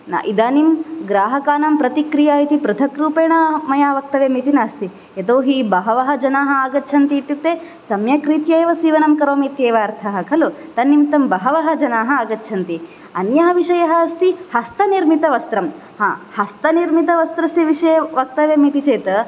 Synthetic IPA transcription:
na̰ʔid̪aːnimɡɾaːɦɐkaːnɐmpɾɐt̪ikɾijaːit̪ipɾɐd̪ʰʱɐkɾuːpeːɳɐmɐjaːʋɐk̚t̪ɐʋeːmit̪inaːst̪i | et̪oːɦibɐɦɐʋɐɦɐ̆d͡ʒɐnaːɦɐ̆aːɡɐtːt͡ʃʰɐnt̪iːt̪ːjut̪ːeː | sɐmjɐkɾit̪jɐːjʋɐsiːʋɐnɐmkɐɾoːmiːt̪jeːʋaːɾt̪ʰɐɦɐkʰɐlut̪ɐnːimt̪ɐmbɐɦɐʋɐɦɐ̆d͡ʒɐnaːɦɐ̆aːɡɐtːt͡ʃʰɐnt̪i | ɐnjɐɦɐʋiʂɐjɐɦɐɐst̪ihɐst̪ɐniɾmit̪ɐʋɐst̪ɾɐm | haːhɐst̪ɐniɾmit̪ɐʋɐst̪ɾɐsjɐʋiʂɐjɐʋɐk̚t̪ɐʋjemit̪it͡ʃeːt̪ɐ

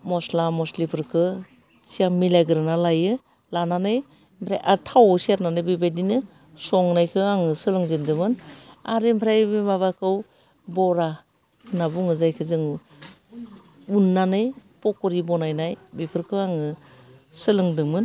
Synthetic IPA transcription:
mɔslamɔslipʰɯɾkʰɯ | sijaŋmilajɡɯɾɯnalajɯ | lananɯj | mpʰɾajʔaɾtʰawsiaɾnanɯjbibajdinɯ | sɔŋnajkʰɯaŋɯsɯlɯŋzɯndɯmɯnaɾempʰɾajbimaβakʰɯw | bɔɾa | nabuŋɯzajkʰɯzɯŋ | unːanɯjpɔkɔɾibɔnajnajbipʰɯɾkʰɯaŋɯsɯlɯŋdɯmɯn

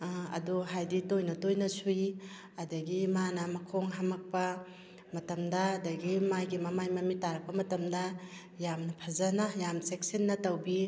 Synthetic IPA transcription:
ɐ̰duɦajditojnɐtojnɐsui | ɐdɐɡimanɐmɐkʰoŋɦamɐk̚pɐ | mɐtɐmdɐːdɐɡimajɡimɐmajmɐmitaɾɐk̚pɐmɐtɐmdɐ | jamnɐpʰɐzɐnɐjamsek̚sinːɐtɐwbi

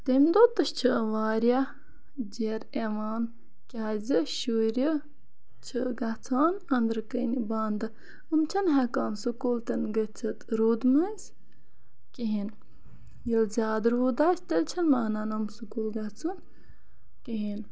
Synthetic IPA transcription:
t̪əmʲd̪ot̪ɐʃt͡ʃʰɨʋaːɾʲa | d͡ʒeːɾeʋaːn | kʲaːzʲɨʃuːɾʲə | t͡ʃʰɨɡɐt͡sʰaːnɐnd̪ɾkənibaːnd̪ɐ | ɨmt͡ʃʰɐnɦɐkaːnsukuːlt̪ɐnɡɐt͡sʰɐt̪ɾuːd̪mɐzʲ | kiɦin | jilzʲaːd̪ɾuːd̪aːsʲt̪ɐlʲt͡ʃʰɐnmaːnaːnɐmsukuːlɡɐt͡sʰun | kiɦin

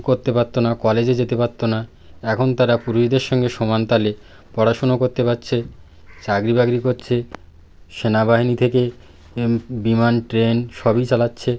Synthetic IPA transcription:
koɾt̪epat̪ːonakɔled͡ʑed͡ʑet̪epat̪ːona | ɛkʰont̪aɾapuɾuʃid̪eɾʃɔŋɡeʃɔmant̪ale | pɔɽaʃonokoɾt̪epatːɕʰe | t͡ɕaɡɾibaɡɾikoɾt͡ɕʰe | ʃenabaɦinit̪ʰeke | bimanʈɾenʃɔbit͡ɕalatːɕʰe

